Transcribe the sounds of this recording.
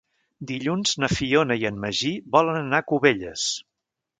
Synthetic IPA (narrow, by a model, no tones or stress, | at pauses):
d̪iʎunz̥nəfionəiənməʒiβɔlənənakuβeʎəs